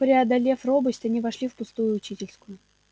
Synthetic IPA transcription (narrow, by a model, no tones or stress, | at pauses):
pɾʲɪɐd̪ɐlʲe̞fro̞bɨsʲtʲɐnʲivɐʂlʲifpʊst̪ujʊːt͡ɕitʲɪlʲskʊjʊ